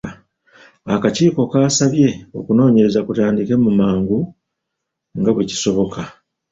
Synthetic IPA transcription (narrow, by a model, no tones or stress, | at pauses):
akaciːko̞kaːsaβje̞o̞̰kuno̞ːɲe̞ɾe̞zakutaːndike̞mumaːŋɡu | ŋɡaβweci̥so̞βo̞ka